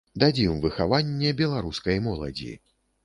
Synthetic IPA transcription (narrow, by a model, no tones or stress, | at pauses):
d̪ad͡zʲimvɨxavanʲːɛbʲɛlˠaɾuskɐjmɔlˠɐ̰d͡zʲḭ